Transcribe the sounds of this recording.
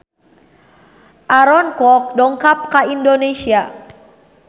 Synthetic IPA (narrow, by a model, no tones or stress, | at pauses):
ʔaɾɔnkɔk̚dɔŋkap̚kaindonesia